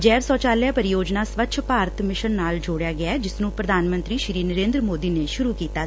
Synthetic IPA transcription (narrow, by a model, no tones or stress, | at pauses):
d͡ʒɛːɾsɔːt͡ʃaːljaːpəɾɪjoːd͡ʒnaːsʋətːʃʰpaːɾət̪ʰmɪʃənːaːld͡ʒoːɽjaːɡɪaːd͡ʒɪsnũːpɾəd̪ʱaːnmə̃nt̪ɾiːʃɾiːnəɾẽːnd̪ɾəmoːd̪iːneːʃʊɾuːkiːt̪aː